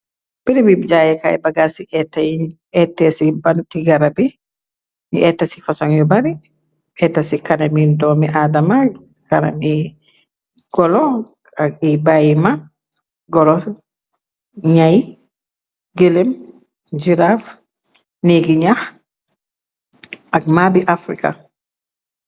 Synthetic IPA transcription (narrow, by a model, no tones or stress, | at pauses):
piɾibibd͡ʒajɛka̰ɛ̰baɡasiʔɛtːaji | ɛtːɛsibantiɡaɾabɛ | ɲʔɛtːasifasɔŋjɔbaɾi | ʔɛtːasikanamidɔmɛʔadama | kana̰mi | ɡ̥ɔlɔ | akibajima | ɡɔlɔ | ɲaj | ɡelem | d͡ʒiɾaf | niɡiɲax | ʔak̚mabiʔafɾika̰